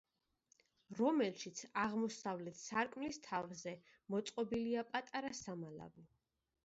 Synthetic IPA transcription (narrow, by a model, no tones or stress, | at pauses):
ɾɔmɛlʃit̪sʰaʁmɔsavlɛt̪ʰsaɾkʼmlist̪ʰavzɛ | mɔt̪sʼqʼɔbiliapʼat̪ʼaɾasamala̰vi